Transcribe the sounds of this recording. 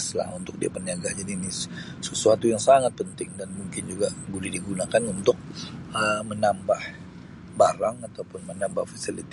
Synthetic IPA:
sla̰ŋunt̪ʊk̚dia̰pərniaɡahd͡ʒadini | səsuat̪ujaŋsaŋat̪̚pənt̪ɪŋdanmuŋkɪnd͡ʒuɡaɡulidiɡunakanunt̪ʊk̚əmənambah | baɾaŋat̪awpʊnmənamba̰hfasilḭt̪

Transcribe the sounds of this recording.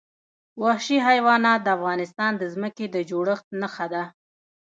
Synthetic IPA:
wahʃiɦajwɑnɑd̪əafɣɑnɪst̪ɑnd̪əzməked̪əd͡ʒoɽəxt̪̚naxad̪a

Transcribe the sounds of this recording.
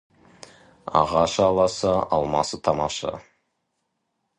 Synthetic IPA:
ɑ̰ʁɑʃɑːlˠɑsɑɑ̰lˠmɑsət̪ʰɑmɑʃɑ̰

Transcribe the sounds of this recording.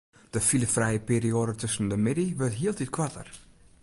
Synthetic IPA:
d̥əfiləfrɛjəpiːriodətʰɵsən̩dəmɪdiʋørtɦiəlˠtitkʰwatʰə̰r

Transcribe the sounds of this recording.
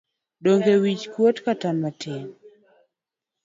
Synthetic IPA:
doŋɡewit͡ʃkwotkatanmatʰɪn

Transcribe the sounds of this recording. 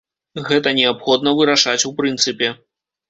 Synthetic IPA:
ɣɛt̪ɐnʲɛapxɔd̪nɐvɨɾaʂat͡sʲupɾɨnt̪sɨpʲɛ

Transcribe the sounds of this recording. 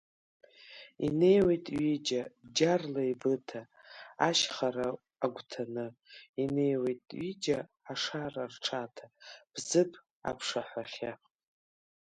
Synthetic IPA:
ine̞jwejtʼɥid͡ʒad͡ʒarlaibɨtʰa | aʃχaɾaː | ɡʷtʰanɨine̞jwejtʼɥid͡ʒaː | ʂararʈ͡ʂʰatʰab̥zɨpʰ | a̰pʰʂaħʷaχʲa

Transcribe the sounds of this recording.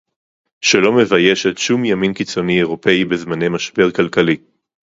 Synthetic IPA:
ʃelo̞me̞vaje̞ʃetʃumjaminkit͡so̞nieʁo̞pe̞ibezmane̞jmaʃb̥e̞ʁkalkali

